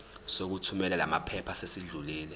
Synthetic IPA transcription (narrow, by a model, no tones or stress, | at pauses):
sok̬utʰumɛlɛla̰mapʰɛpʰasesiɮuliːlɛ